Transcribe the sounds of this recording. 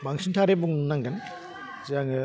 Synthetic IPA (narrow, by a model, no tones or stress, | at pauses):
baŋsʰintʰaɾebuŋnaŋɡan | ziaŋɯ